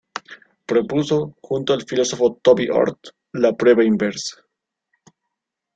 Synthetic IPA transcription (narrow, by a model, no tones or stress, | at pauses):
pɾopuso̞xunt̪oalfilosofot̪obiʔo̰ɾt̪ | lapɾeβainbeɾsḁ